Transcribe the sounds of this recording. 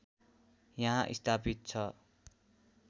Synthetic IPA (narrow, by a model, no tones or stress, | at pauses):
jaɦãʔḭst̪ʰapit̪̚t͡sʰʌ